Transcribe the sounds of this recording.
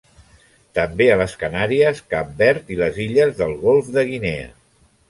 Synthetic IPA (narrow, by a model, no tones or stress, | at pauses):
t̪əmbeələskənaɾiəskambɛɾt̪iləziʎəzðəlˠɣolˠfðəɣ̞ineə̰